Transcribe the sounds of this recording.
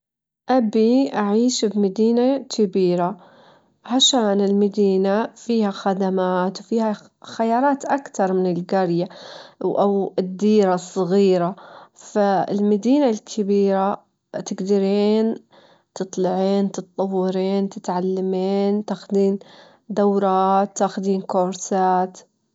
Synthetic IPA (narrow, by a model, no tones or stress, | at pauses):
ʔabiʔaʕiːʃbmad̪iːnakʰɪbiːɾa | ʕaʃaːnɪlmad̪iːnafiːhaxad̪amaːt̪wfiːha | xajɑːɾˤɑːt̪ʔakt̪ɑɾˤmɪnɪlɡɑɾjawʔawɪd̪ːiːɾasˤːɑɣiːɾafaɪ̰lmad̪iːnalkʰɪbiːɾa | t̪ɪɡd̪aɾiːn | t̪ɨt̪ˤlɪʕiːnt̪ɨt̪̚t̪ˤɑwːɪɾiːnt̪ɪt̪ʕalːamiːnt̪aːxʊd̪iːn | d̪awɾˤɑːt̪ːaːxʊd̪iːnkoːɾsaːt̪